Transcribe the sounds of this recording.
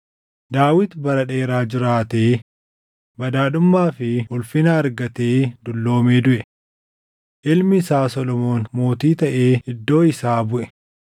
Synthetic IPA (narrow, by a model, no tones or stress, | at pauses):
d̪aːwɪt̪bɐɾɐᶑe̞ːɾaːd͡ʒɪɾaːt̪eː | bɐd̪aːᶑʊmːaːfɪhʊlfɪnɐːɾɡɐt̪eːd̪ʊlːo̞ːmeːd̪ʊʔɛ | ʔɪlmɪɪsaːsɔlɔmo̞ːnmo̞ːt̪iːt̪ɐʔeːɪd̪ːo̞ːɪsaːbʊʔɛ̥